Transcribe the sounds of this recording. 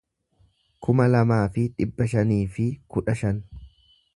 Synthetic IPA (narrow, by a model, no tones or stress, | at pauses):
kʰʊmɐlɐmaːfɪᶑɪbːɐʃɐniːfɪkʊᶑɐʃɐn